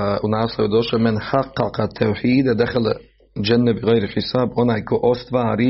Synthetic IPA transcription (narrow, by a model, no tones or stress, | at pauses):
unaːslojud̪oʃomɪnħaqːɑqɑt̪ʰːawħiːd̪ad̪axal | d͡ʒanːabɪɣɛjɾħɪsaːbo̞naːjko̞ʔost̪ʋaːɾiː